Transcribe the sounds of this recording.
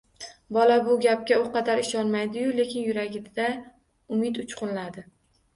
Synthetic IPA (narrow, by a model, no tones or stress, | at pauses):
bɒlabʊɡʲap̚kʲaʊqʰɑd̪aɾɪʃɒnmajd̪ɪjʊle̞kʲɪnjʊɾaɡʲɪd̪a | ʊmɪt̪ʊt͡ʃqʰʊnlad̪ɪ